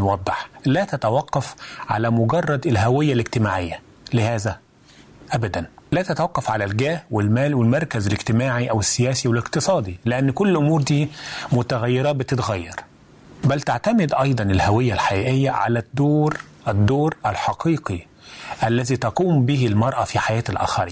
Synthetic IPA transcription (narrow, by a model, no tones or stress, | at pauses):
wɑd̪ˤːeħlæːt̪æt̪æwɑqːɑfʕa̰læmʊɡɑrˤːɑd̪elɦæwɪjːæleɡt̪ɪmaːʕɪjːæ | lɪhæːzæ | ʔæbæd̪ænlæːt̪æt̪awɑqːɑfʕalælɡæːhwelmæːlwelmɑɾˤkæzæleɡt̪ɪmaːʕiʔæwɪsːɪjæːsiweleqt̪ɨsˤɑːd̪ˤileʔanːkolːʔomuːɾd̪iːmʊt̪æɣæjːɑɾˤɑːt̪̚bɪt̪ɪt̪ɣæjːɑ̰ɾˤ | bælt̪aʕt̪æmɪd̪ʔɑjd̪ˤɑnelhæwɪjːælħajæːʔejːæʕa̰læd̪̥ːoːɾ | ʔɪd̪ːoːɾʔælħɑqiːqi | ʔælːæziːt̪ɑquːmbihɪlmɑɾˤʔɑfiħajæːt̪ælʔæ̰ːxɑɾḭː